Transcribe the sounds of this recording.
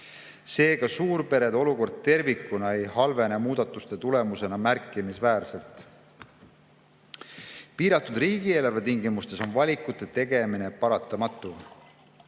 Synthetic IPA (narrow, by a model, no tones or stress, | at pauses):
se̞ːkɑsuːɾpe̞ɾe̞d̪o̞luko̞rd̪̥̚t̪e̞rvikːˑunɑe̞jhɑlve̞nemuːd̪̥ɑt̪ːˑust̪e̞t̪ule̞muse̞nɑmærkːˑimisvæːrse̞lt̪ˑ | piːɾɑt̪ːˑud̪̥riːɡ̥ie̞ːlɑrve̞t̪iŋɡimust̪e̞so̞nvɑlʲikːˑut̪ːˑe̞t̪e̞ɡe̞mine̞pɑɾɑt̪ːˑɑmɑt̪ːˑu